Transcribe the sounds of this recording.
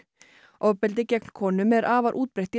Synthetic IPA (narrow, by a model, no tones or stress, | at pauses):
ʔɔwpɛlt̪ɪcɛkn̥kʰɔːnʏmɛɾʔaːvaɾʔuːt̪̚pɾejht̪i